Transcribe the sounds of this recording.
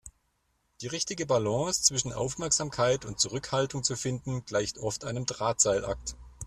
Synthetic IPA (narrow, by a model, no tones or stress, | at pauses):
d̥iːʁɪçtɪɡəbalɑ̃ːst͡sv̥ɪʃn̩ʔa̰ʊfmɛɐkz̥aːmkʰaɪtʊnt̚t͡suʁʏkhaltʊŋt͡sufɪndn̩ɡ̥laɪçtʰʔɔftʔaɪnəmdʁaːtz̥aɪlʔa̰k̚t